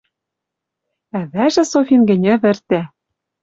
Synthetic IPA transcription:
æβæʒɘ̆sofinɡɘ̆nʲɘ̆βɘ̆rt̪æ

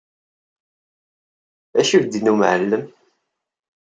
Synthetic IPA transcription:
æʃuɾd̪inumʕəlːəm

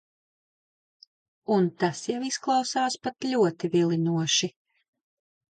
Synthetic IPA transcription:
unt̪asjawisklˠɑwsaːspat̪ʎʲuɔt̪ivilˠinuɔʃi

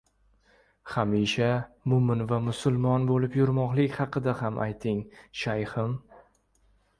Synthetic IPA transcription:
χamiʃamʊmɪnvamʊsʊlˠmɒnbolɪpjʊɾmɒqlˠɪkʲhɑqʰɨd̪ahamʔa̰jt̪ʰɪŋʃajχɪm

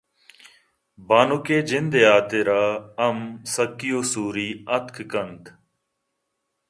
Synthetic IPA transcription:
baːnukeːd͡ʒɪnd̪eːaːt̪eːɾaːəmsəkːijoːsuːɾiːət̪ʰkʰkənt̪

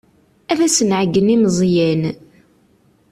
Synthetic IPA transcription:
ævæsənʕəɡːənimzˤjæn

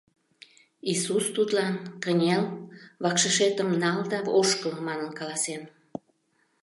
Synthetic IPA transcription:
isust̪ut̪lɑnkənʲelβɑkʃəʃet̪əmnɑld̪ɑoʃkəmmɑnənkɑlɑsen

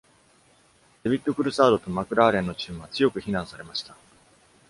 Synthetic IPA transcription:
d̪̥e̞bʲit̪ːo̞kɯ̟ɾɯ̟saːd̪o̞t̪o̞makɯ̟ɾaːɾẽ̞nːo̞t͡ɕɨːɰ̃βat͡sɨjo̞kɯ̟çinãɰ̃saɾe̞maɕi̥t̪a

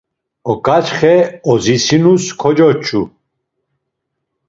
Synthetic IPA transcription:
ɔkʼat͡ʃχɛɔzisinuskʰɔd͡ʒɔt͡ʃʰʼu

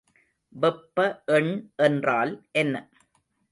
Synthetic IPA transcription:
ʋɛpːɐʔɛɳʔɛndraːlʔɛnːɐ

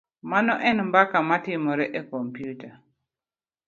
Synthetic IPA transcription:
manɔʔɛnmbakamatɪmɔɾɛʔɛkɔmpijuta

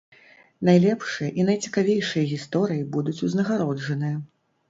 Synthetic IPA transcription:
najlʲɛpʂɨjɐʔin̪ɐjt͡sʲi̥kavʲejʂɨjɐɣʲist̪ɔɾɨjibud̪ut͡sʲuznɐɣaɾɔʐɐnɨjɐ

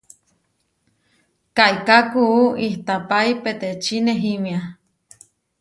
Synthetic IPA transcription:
kaikakuuiht̪apaipet̪et͡ʃineɦimia

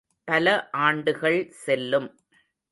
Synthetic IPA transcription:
pɐlɐʔaːɳɖɯɣɐɭsɛlːɯm

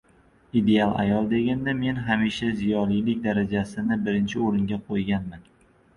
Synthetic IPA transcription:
id̪e̞alˠa̰jɒlˠd̪e̞ɡʲand̪ame̞nɦamiʃazijɒlijlɪk̚ʲd̪aɾad͡ʒasɪnɪbɪɾɪnt͡ʃʰɪoɾɪŋɡʲaqʰojɡʲanman

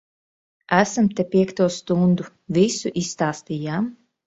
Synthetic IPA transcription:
æsamt̪ɛpʲiɛkt̪uɔst̪und̪u | visuʔisːt̪aːst̪ʲijaːm

